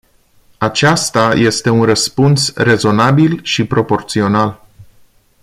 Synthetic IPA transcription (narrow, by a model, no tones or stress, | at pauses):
at͡ʃast̪aje̞st̪e̞unrəspunsre̞zo̞nabilʃipɾo̞po̞rt̪sio̞nal